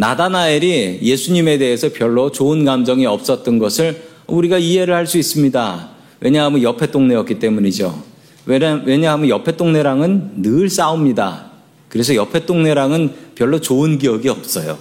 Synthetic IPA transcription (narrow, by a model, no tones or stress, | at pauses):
nadanaeɾije̞sʰuɲime̞de̞ɦesʰʌpjʌɭːot͡ɕoɯnɡamd͡ʑʌŋiʌp̚s͈ʌt̚t͈ʌnɡʌsʰɯɭ | ʌuɾiɡaiɦe̞ɾɯɭhaɭs͈uis͈ɯmɲida | wʔe̞ɲaɦamʌnjʌpʰe̞t͈oŋne̞ʌk͈it͈e̞muɲid͡ʑo̰ | we̞ɲaɦamɯjʌpʰe̞t͈oŋne̞ɾaŋɯnːɯɭs͈aumɲida̰ | kɯɾe̞s̬ʰʌjʌpʰe̞t͈oŋne̞ɾaŋɯnpjʌɭːot͡ɕoɯnɡijʌɡiʌp̚s͈ʌjo̰